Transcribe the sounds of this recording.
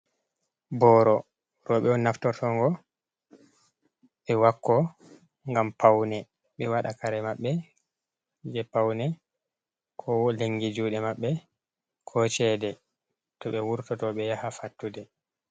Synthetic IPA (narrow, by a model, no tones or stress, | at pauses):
bɔɾɔ | ɾɔɓɛɔnaftɔtʰɔŋɡɔ | ɓɛwakːɔ | ŋɡampʰawnɛ | ɓɛwaɗakaɾɛmaɓːɛ | d͡ʒɛpawnɛ | kʰɔleŋɡid͡ʒuɗɛmaɓːɛ | kʰɔt͡ʃɛdɛ | tɔɓɛwuɾtɔtɔɓɛjahafatːudɛ